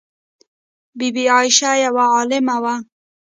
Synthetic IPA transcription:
bibiɑjʃajawaɑlɪmawa

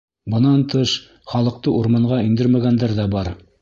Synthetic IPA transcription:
bɤ̆nɑnt̪ɤʃ | χɑlˠɤ̆q̚t̪ɤʔuɾmɑɴɢɑind̪ɘɾmæɡænd̪æɾðæbɑɾ

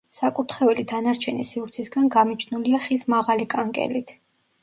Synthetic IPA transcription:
sakʼuɾt̪ʰχɛɛlid̪anaɾt͡ʃʰɛnisiuɾt̪sʰisɡanɡamit͡ʃʰnuliaχismaʁalikʼaŋkʼɛ̰lit̪ʰ

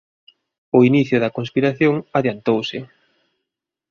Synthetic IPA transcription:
ʊiniθjʊðɐkonspiɾaθjoŋaðjant̪owsɪ

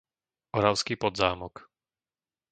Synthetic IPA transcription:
ɔɾaʊskiːpɔd̪zaːmɔk

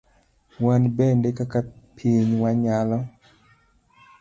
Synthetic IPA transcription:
wanbɛndekakapʰiɲwaɲalɔ

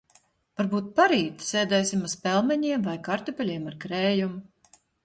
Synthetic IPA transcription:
vaɾbuːt̪̚paɾiːt̪seːd̪ɛːsʲimaspʲɛlˠmɛɲiɛmvajkaɾt̪ɔpʲɛlʲiɛmaɾkɾɛːjum

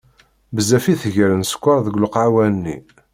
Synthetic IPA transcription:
bəzæfiθʝəɾənsə̥kʷːɑɾˤðəɡʷloqʕawænːḭ

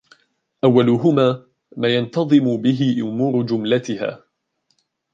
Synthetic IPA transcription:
ʔawːalʊɦʊmaː | maːjant̪ɑðˤɨmʊbɪɦɪʔʊmuːɾʊd͡ʒʊmlat̪ɪha̰ː

